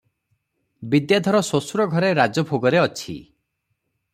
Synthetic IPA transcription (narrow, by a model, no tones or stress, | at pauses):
bid̪jad̪ʱɔɾɔsosuɾɔɡʱɔɾeɾad͡ʒɔbʰʱoɡɔɾeɔt͡ʃʰḭ